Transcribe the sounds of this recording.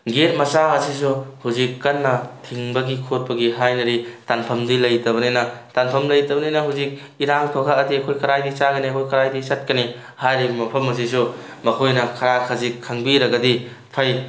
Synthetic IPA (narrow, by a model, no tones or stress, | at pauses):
ɡet̚mɐsaɐsis̬uhuzikːɐnːɐtʰiŋbɐɡikʰot̚pɐɡiɦajnɐɾitanpʰɐmdilɐjtɐβɐnejnɐtanpʰɐmlɐjtɐbɐnejnɐɦuzik̚ | iɾaŋtʰokʰaɐdiɐkʰojkɐɾajdisaɡɐniɐkʰojkɐɾajdisɐt̚kɐni | hajɾibmɐpʰɐmɐs̬isu | mɐkʰojnɐkʰɐɾakʰɐzikʰːɐŋbiɾɐɡɐdi | pʰɐj